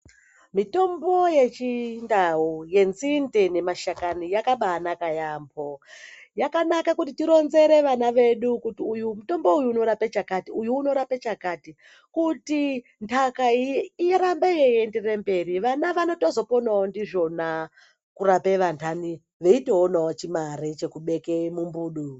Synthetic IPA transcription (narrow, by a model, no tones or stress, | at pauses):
mito̞mbo̞je̞t͡ʃindauje̞nzindene̞maʃakanijakaɓaːnakajaːmbojakanakakutitiɾo̞nze̞ɾe̞ʋanaʋe̞ɗukutiujumuto̞mbo̞ujuːno̞ɾapet͡ʃakatiujuːno̞ɾapet͡ʃakati | kuti | ntʰakaiijeɾambejejenderembe̞riʋanaʋano̞to̞zo̞po̞naondiʐo̞na | kuɾape̞ʋantʰani | ʋeiteonawot͡ʃimaɾet͡ʃe̞kuɓe̞kemumbuːɗu